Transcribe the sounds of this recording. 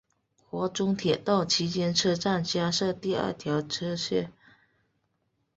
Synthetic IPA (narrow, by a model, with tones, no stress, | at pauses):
xwɔ˧˥ʈ͡ʂʊ˥ŋt̪ʰjɛ˨˩t̪ɑ˥˩ʊt͡ɕʰi˧˥t͡ɕjɛ˥nʈ͡ʂʰɤ˥ʈ͡ʂa˥˩nt͡ɕja˥ʂɤ˥˧t̪i˥˧ə̰˥˩t̪ʰjɑ˧˥ʊʈ͡ʂʰɤ˥ɕɥɛ̰˥˩